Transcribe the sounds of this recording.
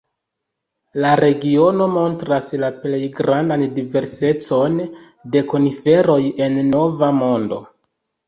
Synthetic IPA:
laɾe̞ɡio̞no̞mo̞ntɾaslaple̞jɡɾandandive̞ɾse̞t͡so̞n | de̞ko̞nife̞ɾo̞je̞nːo̞vamo̞ndo̞̰

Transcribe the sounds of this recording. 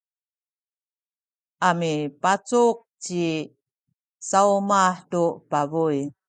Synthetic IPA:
ʔamipat͡suk̚t͡ɕi | saumaħtupavuj

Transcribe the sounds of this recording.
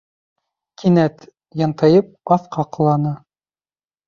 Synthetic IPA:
kʰinæt̪ | jɑnt̪ɤjɤp̚ɑθqɑqɤ̆lˠɑnɤ

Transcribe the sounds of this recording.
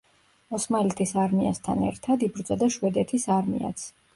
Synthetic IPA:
ɔsmalit̪ʰisaɾmiast̪ʰa̰nɛ̰ɾt̪ʰad̪ibɾd̪zʼad̪aʃwɛd̪ɛt̪ʰisaɾmḭa̰t̪sʰ

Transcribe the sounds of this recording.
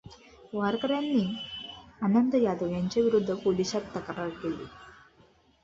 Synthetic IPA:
ʋaɾkəɾjanːiː | anənd̪ʱəjad̪əʋjaɲt͡ɕeʋiɾud̪ʱːəpolisat̪ːəkɾəɾkelḭ

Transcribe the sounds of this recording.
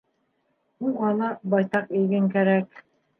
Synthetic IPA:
ulˠʁɑnɑbɑjt̪ɑqijɡɘŋkæɾæk

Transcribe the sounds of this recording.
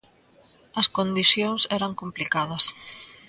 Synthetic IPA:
ɐskond̪iθjoŋsɛɾɐŋkomplikað̞ɐs

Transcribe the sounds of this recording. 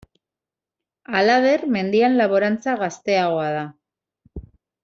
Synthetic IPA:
alaβe̞rme̞nd̪ianlaβo̞ɾant͡saɣast̪e̞aɣ̞o̞aða

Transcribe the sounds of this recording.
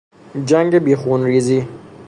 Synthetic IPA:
d͡ʒɐŋɡebiːxuːnɾiːzi

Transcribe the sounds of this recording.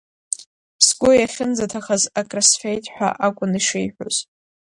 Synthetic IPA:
pʰsɡʷʊjaχʲɪnd͡zatʰaχazakʼrasfejtʼħʷᶣa̰ʔakʷʼʊniʂɪjħʷᶣo̰z̥

